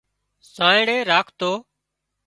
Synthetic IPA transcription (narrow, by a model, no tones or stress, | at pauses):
sãːɪɽeːɾaːkʰt̪oː